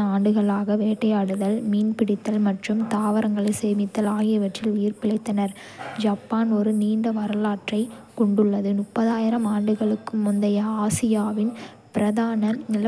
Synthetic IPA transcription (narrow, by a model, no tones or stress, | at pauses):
aːɳɖɯɣɐɭaːɣɐʋeːʈːɐjaːɽɯðɐlmiːnpɪɽɪt̪ːɐlmɐʈrɯmt̪aːʋɐɾɐŋɡɐɭɐɪseːmɪt̪ːɐlaːjɪɐʋɐʈrɪlʊjɪrpɪɭɐɪt̪ːɐnɐɾ | d͡ʒaːpːaːnɔɾɯniːɳɖɐʋɐɾɯlaːʈrɐɪkɔɳɖɯɭːɐðɯnʊpːɐðaːjɪɾɐmaːɳɖɯɣɐɭɯkːɯmʊnd̪ɐjɐaːsɪjaːʋɪn | pɪɾɐðaːnɐnɪlɐ